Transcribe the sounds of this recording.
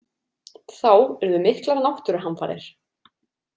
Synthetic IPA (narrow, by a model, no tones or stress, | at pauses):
θawɛɾðʏmɪhklaɾanawht̪ʏɾaɦanfa̰ːɾɪ̰ɾ̥